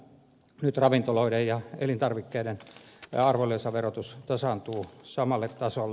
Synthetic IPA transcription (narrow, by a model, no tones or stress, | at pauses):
nyt̪rɑʋint̪oloidejjɑelint̪ɑrʋikːeiɾenɑrʋolːesɑʋerot̪ust̪ɑsɑnt̪uːsɑmɑlːet̪t̪ɑsolː